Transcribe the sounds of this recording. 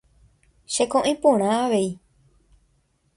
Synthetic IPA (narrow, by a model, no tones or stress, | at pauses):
ʃekõʔẽpõɾ̃ãaʋe̞i